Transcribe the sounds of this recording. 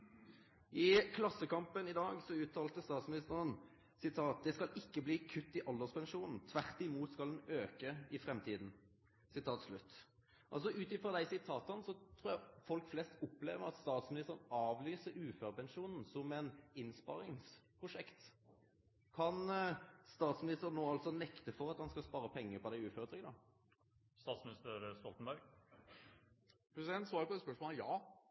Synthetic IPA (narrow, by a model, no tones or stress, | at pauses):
ʔɪkʰlɑsːəkɑmpənɪd̪ɑːɡsɔʉːt̪ʰɑːlt̪əst̪ɑːt̪smɪnɪst̪əʁən | sɪt̪ʰɑːt̪̚d̪ɛskɑlʔɪkːəbliːkʰʉt̪ːɪʔɔld̪əspʰɛnʂuːnn̩t̪ʰʋæʁt̪ɪmuːt̪skɑld̪ɛnøːkəɪfɾɛmt̪ʰiːd̪n̩ | sɪt̪ʰɑːt̪slʉt̪ː | ʔɑ̰ls̬ɔʉːt̪ɪfɾɔd̪æɪsɪt̪ʰɑːt̪ɑnsɔt̪ʰɾuːjæfɔlkflɛst̪ʊpːlḛːʋəɾɑt̪st̪ɑːt̪smɪnɪst̪əɾənɑːʋlyːsəɾʉːføːʁpɛnʂuːnn̩sɔmɛnɪnspɑ̰ɾɪŋspʰʁʊʂɛkt̪ | kʰɑnst̪ɑːt̪smɪnɪst̪əʁnːoːɑlsɔnɛkt̪əfɔʁɑt̪hɑnskɑspɑːɾəpʰɛŋːəpɔd̪æɪʉːføːʁət̪ɾʏɡənɑ | st̪ɑːt̪smɪnɪst̪əɾst̪ɔlt̪n̩bæɾɡ | pʰɾɛsɪd̪ɛnt̪sɑːɾəpɔd̪ɛspœʂmoːljɑː